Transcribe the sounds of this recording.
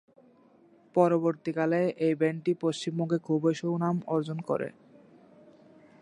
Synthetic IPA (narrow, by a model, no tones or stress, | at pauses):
pɔɾoboɾt̪ikaleʔejbeɳʈipost͡ɕimboŋɡekʰubeʃownamɔɾd͡ʑonkɔ̰ɾḛ